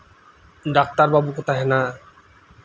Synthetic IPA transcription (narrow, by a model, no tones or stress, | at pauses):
ɖak̚t̪aɾbabukot̪aɦena